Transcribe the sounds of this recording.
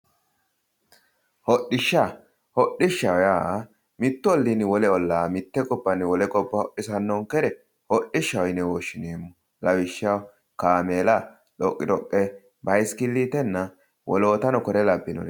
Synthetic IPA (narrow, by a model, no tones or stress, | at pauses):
hɔɗːɪʃːa | hɔɗɪʃːɐwɔjaː | mɪt̪ːʊɔlːinɪwɔlɛɔlːaːmɪt̪ːɛkʼɔbːɐnːɪwɔlɛkʼɔbːɐhɔʔːɪsɐnːɔŋkɛɾɛ | hɔɗːɪʃːɐwɔjnɛwoːʃːɪneːmːʊ | lɐwɪʃːɐw | kaːmeːlɐ | ᶑɔkʼːɪd̪ɔkʼːɛ | bɐjskɪlːit̪ɛnːɐ | wɔ̰lo̞ːt̪ɐnɔkɔɾɛlɐbːɪnɔ̰l